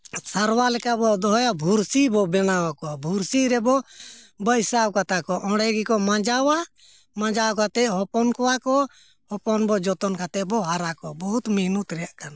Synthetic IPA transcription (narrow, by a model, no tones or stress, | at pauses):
saɾwalɛkabɔd̪ɔɦɔjabʱuɾsibɔbɛnawakɔbʱuɾsiɾɛbɔ | bəjsawkat̪akɔʔɔ̃ɽɛɡikɔmãd͡ʒawa | mãd͡ʒawkat̪ɛʔɦɔpɔnkɔwakɔ | hɔpɔnbɔd͡ʒɔt̪ɔnkʰat̪ɛbɔɦaɾakɔbɔɦut̪miɦnut̪ɾɛjaʔkana